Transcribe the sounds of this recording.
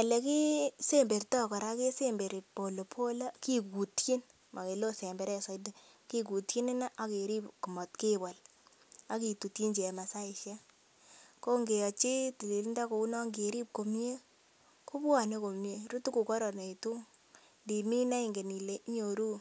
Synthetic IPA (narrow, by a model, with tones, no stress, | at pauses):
a˨le˨ki˦se˦mbe˨rtɔ˦kɔ˨ɾa˦ke˦se˦mbe˨ɾi˨po˨lo˨pʰo˦la˦ki˦ku˨tki˦n | mʔa˨ke˨lo˦se˨mbe˨ɾɛ˦sa˨jde˦ | ki˦k̬u˨tki˦nɪ˦na˦ʔa˦ke˨ɾi˦pku˨mɔ˨tke˦ba˨l | a˦ki˨tu˨ti˦nd͡ʒe˨ma˨sa˦i˨ʃja˦ | ko˦ŋɡe˨jɔ˨t͡ʃi˦ti˨li˨lnda˦ko˨u˦nɔ˦ŋɡe˨ɾi˦p̚ko˨mje˦ | ku˦bwa˨ne˦ko˨mje˦ɾu˦tu˦ku˨kɔ˦ɾɔ˨ne˨i˨tu˦ŋ | ndi˨mi˦na˦i˨ŋɡe˨ni˨le˦ɲo˨ɾu˦